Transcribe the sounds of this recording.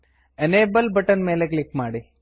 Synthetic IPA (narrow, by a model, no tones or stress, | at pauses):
eneːbɐlbɐʈɐnmeːleklikmaːɽi